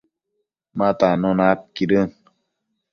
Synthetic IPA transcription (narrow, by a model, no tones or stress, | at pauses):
matanɔnap̚kidən